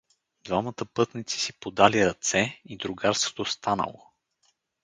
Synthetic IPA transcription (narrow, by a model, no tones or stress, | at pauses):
d̪vamət̪əpɤt̪nit̪si̥sipod̪aliɾɐt̪sɛid̪ɾʊɡaɾst̪vo̥t̪ost̪anə̰lˠo̰